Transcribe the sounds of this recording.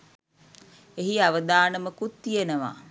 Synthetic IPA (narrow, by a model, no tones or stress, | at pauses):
eɦiaʋəd̪aːnəməkut̪ːijenəʋa̰ː